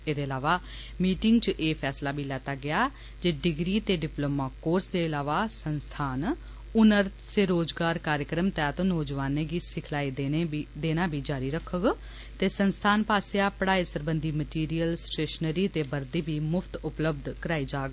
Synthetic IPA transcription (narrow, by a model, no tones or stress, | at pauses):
eːd̪eːəlaːʋaː | miːʈɪŋɡt͡ʃʔeːpʰɛːslaːbiːlɛːt̪aːɡɪaː | d͡ʒeːɖɪɡɾiːt̪eːɖɪploːmaːkoːɾsd̪eːəlaːʋaːsənst̪ʰaːn | ʊnəɾt̪seːɾoːd͡ʒɡaːɾkaːɾjəkɾəmt̪ɛːt̪õːnoːd͡ʒʋaːneːɡiːsɪkʰlaːiːd̪eːnaːbʱiːd͡ʒaːɾiːɾəkʰːəɡ | t̪eːsənst̪ʰaːnpaːsjaːpəɽaːiːsəɾbənd̪iːməʈiːɾijəlsʈeːʃənəɾiːt̪eːbəɾd̪iːbʱiːmʊpʰt̪ʊpləbd̪ʱkəɾaːiːd͡ʒaːɡ